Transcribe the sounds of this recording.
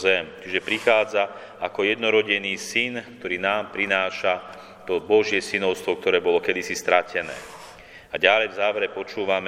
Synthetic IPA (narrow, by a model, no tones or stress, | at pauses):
zɛmt͡ʃiʒɛpɾixaːd͡za | akɔjɛd̪nɔɾɔɟɛniːsink̚t̪ɔɾiːnaːmpɾinaːʃa | t̪ɔbɔʒɪɛsinɔʊst̪ʋɔk̚t̪ɔɾɛːbɔlɔkɛd̪isist̪ɾacʰɛnɛ̰ː | aɟalɛjvzaːʋɛɾɛpɔt͡ʃuːʋam